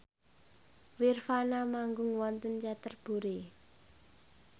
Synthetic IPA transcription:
wirfanamaŋɡʊŋwɔnt̪ənt͡ʃat̪ərb̥ṳɾe

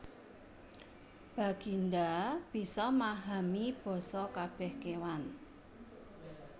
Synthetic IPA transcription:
b̥a̤ɡ̥ind̪ab̥i̤sɔmaɦamib̥ɔ̤sɔkab̥ɛhkewan

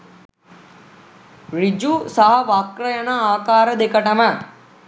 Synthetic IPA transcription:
ɾid͡ʒusɐɦɐʋaːkɾɐjənaaːkaːɾɐd̪ekəʈɐmə

